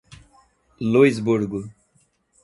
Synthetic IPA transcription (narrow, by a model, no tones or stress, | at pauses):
luizbuɾɡu